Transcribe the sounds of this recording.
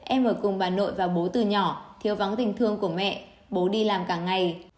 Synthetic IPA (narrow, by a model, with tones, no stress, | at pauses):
ʔɛ˧mʔəː˧˩jkʊ˨˩ŋ͡mɓaː˨˩nːo̰˧˨jvaː˨˩ɓo˨˦t̪ɨ˨˩ɲɔ˧˩t̪ʰi˨˦əwva˨˦ŋt̪ï˨˩ŋ̟t̪ʰɨ˧əŋku˧˩əmɛ̰˧˨ | ɓo˨˦ɗi˧laː˨˩mkaː˧˩ŋŋa˨˩j